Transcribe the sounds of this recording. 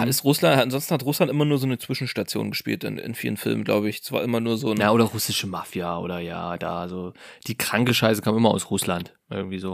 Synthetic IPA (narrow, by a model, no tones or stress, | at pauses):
haɪstʁʊslanthatanzɔnstn̩hatʁʊslantʔɪmɐnuːɐzoːnət͡sv̥ɪʃn̩ʃtat͡sjo̰ːnɡəʃpḭːltɪ̰nɪ̰nfiːlənfɪ̰lmənɡla̰ʊbəɪç̥ɛsv̥a̰ːɐʔɪmɐnuːɐzoːnnaʔoːɾɐʁʊsɪʃəmafjaʔo̰ːɾɐja̰ːd̥a̰ːzod̥iːkʁ̥aŋkəʃaɪsəkʰaːmɪmɐa̰ʊsʁʊslant | ʔɪ̰ɐɡŋ̩tv̥iːzoː